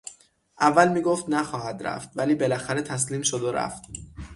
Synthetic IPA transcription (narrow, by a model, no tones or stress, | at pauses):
ʔævːælmiːɡoft̪næxɒːhæd̪ɾæ̰ft̪væliːbelæxæɾe̞t̪ʰæsliːmʃod̪oɾæ̰ft̪